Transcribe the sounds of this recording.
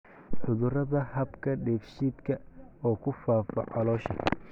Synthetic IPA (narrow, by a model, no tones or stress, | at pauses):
ħʊðʊrɐðɐhɐbkʰɐɖɛːfʃiːd̪kʰɐɔːkʰʊfaːfɐ̰ʕɑlɔːʃɐ̰